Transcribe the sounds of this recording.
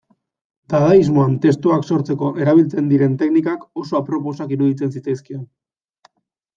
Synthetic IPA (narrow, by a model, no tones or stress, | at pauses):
t̪aðaizmo̞ant̪e̞st̪uakso̞ɾt͡se̞ko̞ʔe̞ɾaβ̞ilt͡se̞nd̪iɾe̞nt̪e̞knikako̞so̞apɾo̞po̞sakiɾuðit͡se̞nsit͡sajskion